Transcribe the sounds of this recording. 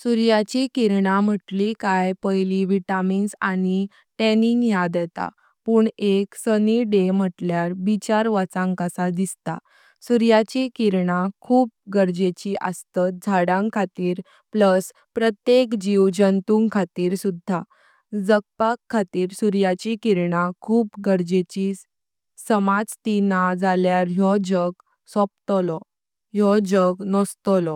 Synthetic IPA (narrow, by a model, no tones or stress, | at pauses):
suɾjat͡ɕikiɾɳam̤əʈlikajpəjliʋiʈaminsañi | ʈɛniŋɡjad̪ɛt̪a̰ | puːɳeksəniɖem̤əʈljaɾbit͡ɕaɾʋat͡sãŋkəsad̪ist̪a̰ | suɾjat͡ɕikiɾɳakʰuːp̚ɡəɾd͡ʑet͡ɕiʔə̰st̪əd͡zʱaɽãŋkʰat̪iːɾ | pləs | pɾət̪jekd͡ʑiwd͡ʑənt̪uŋɡkʰat̪iːɾsud̪ʱːa | d͡zək̚pakʰːat̪iːɾsuɾjat͡ɕikiɾɳakʰuːpɡəɾd͡ʑet͡ɕi | səmad͡zt̪inad͡zʱaljaɾjɔd͡ʑəɡ | sɔp̚t̪lɔ | jɔd͡ʑəɡnɔst̪ɔlɔ